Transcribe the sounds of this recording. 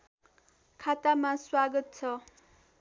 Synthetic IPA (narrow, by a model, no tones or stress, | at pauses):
kʰat̪amaswaɡʌt̪̚t͡sʰʌ